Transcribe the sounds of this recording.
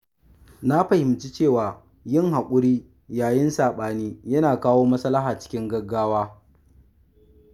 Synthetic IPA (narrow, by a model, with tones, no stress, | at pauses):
na˦ɸɐ˨hɪ˨mt͡ʃi˦t͡ʃeː˦˨waː˨ | jɪ˦˨ŋɦa˨kʷʼʊ˦ɽiː˦ | jaː˨jɪ˦nsaː˨ɓaː˨niː˦jɐ˦naː˨kaː˦woː˦mɐ˦sɐ˦lːɐ˦ɦaː˨t͡ʃɪ̥˦kʲɪ˦ŋɡɐ˦ɡːaː˦waː˦